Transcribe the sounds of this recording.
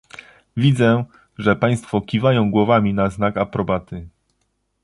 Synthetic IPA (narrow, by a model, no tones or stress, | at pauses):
vʲid̪zɛ | ʐɛpaj̃st̪fɔkʲivajɔ̃w̃ɡwɔvamʲinaznakapɾɔbat̪ɘ